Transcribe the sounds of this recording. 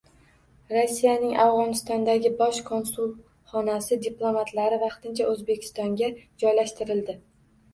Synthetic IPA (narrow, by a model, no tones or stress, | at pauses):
ɾosːijanɪŋʔavʁɒnɪst̪ɒnd̪aɡʲɪbɒʃkʰo̞nsulˠ | χɒnasɪd̪ɪplˠo̞mat̪laɾɪvɑqt̪ɪnt͡ʃʰaʔɵzbe̞kʲʰɪ̥st̪ɒŋɡʲad͡ʒɒjlaʃt̪ɪɾɪld̪ɪ